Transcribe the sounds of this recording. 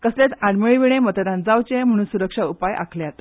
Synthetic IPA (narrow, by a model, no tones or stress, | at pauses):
kəslet͡saɽməɭiʋiɽ̃emət̪d̪ãnd͡zawt͡ɕem̤əɽ̃uːnsuɾəkʂaupajʔa̰kʰleat̪